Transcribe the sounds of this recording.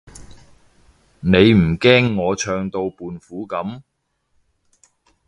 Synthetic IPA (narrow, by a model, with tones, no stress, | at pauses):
ne˨˧jm̩˨˩kɛː˥ŋːɔː˨˧t͡ʃʰœː˧ŋt̪o˧wpuː˨˧nfuː˨˥kɐ˨˥m